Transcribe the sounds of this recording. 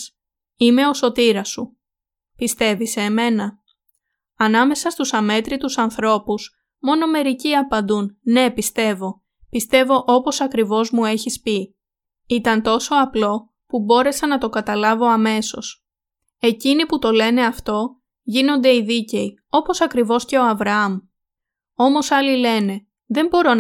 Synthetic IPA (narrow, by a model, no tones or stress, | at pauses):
ime̞o̞so̞t̪iɾɐsu | pist̪e̞viseːme̞nɐ | ɐnɐme̞sɐst̪usɐme̞t̪ɾit̪usɐnθɾo̞pus | mo̞no̞me̞ɾiciɐpɐnd̪unne̞pist̪e̞vo̞ | pist̪e̞vo̞ʔo̞po̞sɐkɾivo̞zmue̞çispi | it̪ɐnt̪o̞so̞ɐplo̞ | pubo̞ɾe̞sɐnɐt̪o̞ɡɐt̪ɐlɐvo̞ɐme̞so̞s | e̞ciniput̪o̞le̞ne̞ɐft̪o̞ | ʝino̞nd̪e̞iðice̞i | o̞po̞sɐkɾivo̞sce̞o̞ɐvɾɐɐm | o̞mo̞sɐlile̞ne̞ | ðe̞mbo̞ɾo̞